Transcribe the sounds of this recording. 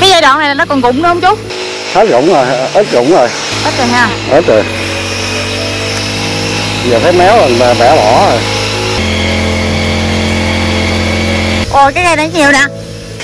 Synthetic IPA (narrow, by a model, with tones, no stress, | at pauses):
kaː˨˦jzaː˧jɗwa̰ː˧˨na˨˩laː˨˩nɔ˨˦˥kɔ˨˩nɣʊ̰˧˨ŋ͡mɗu˨˧˦hə˧ŋ͡mt͡ɕʊ˦˥ | t̪ʰə˦˥t̚ɣʊ̰˧˨wŋ͡mzo˨˩jʔəː˦˥t̚ɣʊ̰˧˥wŋ͡mzo˨˩j | ʔəː˦˥t̚ke˨˩ɦaː˧˩ | ʔəː˦˥t̚kə˨˩j | zəː˨˩t̪ʰə˨˦jmɛ˨˦˥wlə˨˩nlaː˨˩ɓɛ˧˩˦lɔ̰˧˨˦j | ʔo˨˩kaː˨˦jŋaː˧jna˨˦˥ɲi˨˩əwna̰˧˨